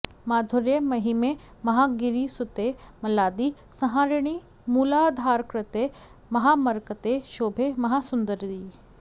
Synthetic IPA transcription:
maːd̪ʱʊɾjəmɐɦime | mɐɦaɡɪɾisʊt̪emɐlaːd̪isɐɦãːɾɽ̃i | muːlad̪ʱaːɾkɾət̪e | mɐɦaːmɐɾkət̪eʃoːbʱemɐɦasʊnd̪əɾd̪iː

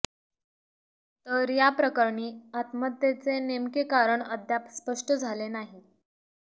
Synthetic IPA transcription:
t̪əɾjapɾəkəɾɳiːat̪mət̪jet͡senemkekaɾəɳəd̪ʱjapspəʂʈəd͡zʱalenaɦi

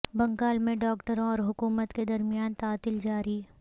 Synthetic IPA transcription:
bɐ̃ŋɡaːlmẽɖɔːkʈəɾɔːɾɦʊkuːmət̪ked̪ɐɾmijaːnt̪aːt̪ɪld͡ʒaːɾiː

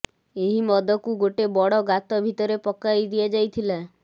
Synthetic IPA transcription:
eɦimɔd̪ɔkuɡoʈebɔɽɔɡat̪ɔbʱit̪ɔɾepɔkajd̪iad͡ʒajt̪ʰila

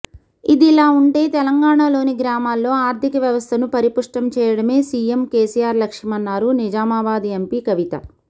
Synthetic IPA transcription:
id̪iilaːuɳʈe̞ːt̪ɛlɐŋɡaːɳaːlo̞ːniɡɾaːmaːlːo̞ːaːɾd̪ʱikɐʋjɐʋɐst̪ʰɐnupɐɾipuʂʈɐmt͡ʃɛːjɐɽɐme̞ːsiːemkeːsiːjaːɾlɐkʂimɐnːaːɾunid͡ʒaːmaːbaːd̪iempikɐʋit̪ɐ̰

